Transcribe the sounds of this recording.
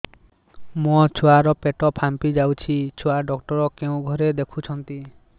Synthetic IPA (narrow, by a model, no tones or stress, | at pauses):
mot͡ʃʰoaɾɔpeʈɔpʰampid͡ʒawt͡ʃʰit͡ʃʰoaɖɔk̚ʈɔɾɔkeũɡʱɔɾed̪ekʰut͡ʃʰɔnt̪i